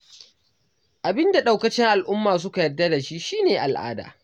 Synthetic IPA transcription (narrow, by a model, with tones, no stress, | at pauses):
ʔa˨bɪ˦nda˨ɗa˨wkɐ˦t͡ʃɪ˦ŋʔa˨lʔʊ˦mːaː˨s̬ʊ˦ka˨jɐ˦dːa˦da˨ʃi˦ʔʃiː˦neː˨ʔa˨lʔa̰ː˦da̰ː˨